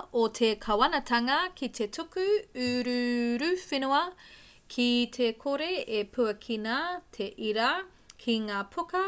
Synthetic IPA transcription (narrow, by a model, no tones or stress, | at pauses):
ʔotʰekʰɐwɐnɐtʰɐŋɐkʰit̪ʰetʰukʉʉɾʉɾʉfinuɐ | kʰit̪ʰekʰoɾeepʰuɐkʰinɐt̪ʰeʔiɾɐ | kʰiŋaːpʰukɐ